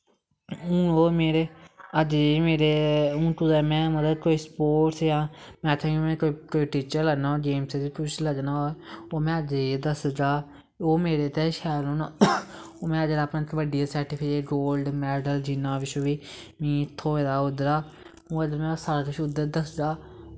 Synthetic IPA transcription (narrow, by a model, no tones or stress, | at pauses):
ũːoːmeːɾeːəd͡ʒmeːɾeũːk̪uːzaːmɛ̃ːmət̪əkoːiːspoːʈsjãːmɛ̃ːət̪ʰãkimɛ̃ːkokoːiːʈiːt͡ʃəɾləɡnaːoːd͡ʒeːmsed͡ʒ̪epʊt͡ʃʰləɡnaːoːoːmɛ̃ːəd͡ʒed̪əsd͡ʒaː | oːmeːɾeːt̪eːʃɛːlõːn | oːmɛ̃ːəd͡ʒdaːpnãːt̪ʋəɖɪjaːsɛːʈɪpʰɪd͡ʒeːɡoːlɖmɛːɖəld͡ʒɪnːãːʋɪʃoʋiːmĩːt̪ʰːoːeːd̪aːʊd̪əɾaː | õːəd͡ʒmɛ̃ːsaːɾaːkʊt͡ʃʰʊd̪əɾd̪əsd͡ʒaː